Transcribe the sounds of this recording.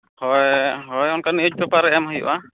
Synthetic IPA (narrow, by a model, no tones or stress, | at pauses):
hɔjɦɔjɔnkaniud͡ʒ̚bɛpaɾɛɛmɦəjṵʔa